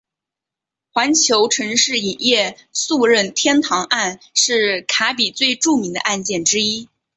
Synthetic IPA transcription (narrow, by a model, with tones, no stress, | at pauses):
xwa˧˥nt͡ɕʰjo˧˥ʊʈ͡ʂʰɤ˧˥ŋʂɻ̩˥˩i˨˩njɛ˥˧su˥˧ɻə˥˩nt̪ʰjɛ˥nt̪ʰɑ˧˥ŋʔa˥˩nʂɻ̩˥˩kʰa˧˥pi˨˩t͡swe˥˧ɪʈ͡ʂu˥˩mi˧˥ŋd̪ə̰˧ʔa˥˧nt͡ɕjɛ˥˩nʈ͡ʂɻ̩˥i˥